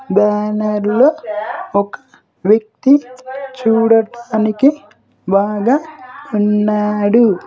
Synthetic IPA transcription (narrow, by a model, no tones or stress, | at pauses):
baːnɐɾloːɔkɐ̥ | ʋjɐk̚t̪it͡ʃuːɽɐʈaːniki | bʱaːɡaunːaːɽu